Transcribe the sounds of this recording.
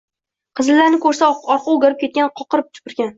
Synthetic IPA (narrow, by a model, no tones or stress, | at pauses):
qʰɨzɪlːaɾnɪkʰɵɾsaɒɾqʰɑoɡʲaɾɪp̚kʲʰe̞t̪̚ʲanqʰɒqɨɾɪp̚t̪ʰʊ̥pɪɾɡʲan